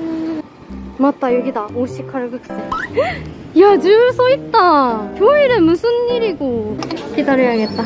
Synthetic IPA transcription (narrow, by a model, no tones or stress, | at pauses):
ɯ | mat͈ːajoɡidaoɕikʰaɾɯɡɯk̚s͈ɯ | jad͡ʑɯɯsʰoit̚t͈akjoiɾɯmusʰunːiɾiɡokidaɾɯjaɡe̞t̚t͈a